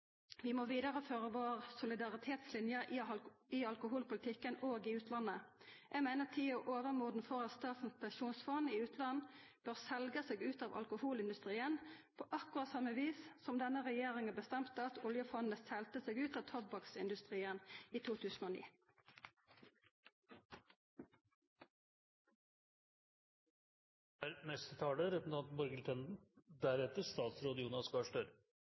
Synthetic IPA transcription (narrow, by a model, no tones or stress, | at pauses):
ʋɪmoːʋiːd̪ɑʁəføːʁəʋoːʁsʊlɪd̪ɑʁɪt̪ʰeːt̪slɪnjə | ɪɑlkʊɦuːlpʊlɪt̪ʰɪkːənoːɡɪʉːt̪ʰlɑnːəʔæɡmeɪnət̪ʰiːɔʔoːʋəʁmuːd̪n̩fɔʁɑt̪st̪ɑːt̪n̩pʰɛnʃuːnsfɔnɪʉːt̪lɑnb̥øːʁsɛlɡəseːɡʉːt̪ɑːʋɑ̰lkʊhuːlɪnd̪ʉst̪ʁiːənpʰoːʔɑkːʊʁɑt̪sɑmːəʋiːssɔmd̪ɛnəʁɛjeːʁɪŋənbəst̪ɛmt̪əɑt̪ʊljəfɔnəsɛlt̪əseːɡʉːt̪ɑːʋt̪ʰɔbbɑksɪnd̪ʉst̪ʁiːəniːt̪ʰuːt̪ʰʉːsn̩oːnḭː | æːɾnɛst̪ət̪ʰɑːləɾɛpn̩ʰɑnt̪n̩mɔɾɡəlt̪ʰɛnd̪n̩d̪æɾɛt̪əɾst̪ɑːt̪sɾoːd̪əjuːnɑskɑʂʈøɾ